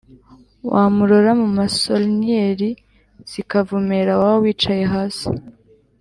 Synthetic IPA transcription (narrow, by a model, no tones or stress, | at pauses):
wʔamuɾoɾamumasolnieɾi | z̥ikavumeɾawawowiːt͡ʃaje̞ɦasḭ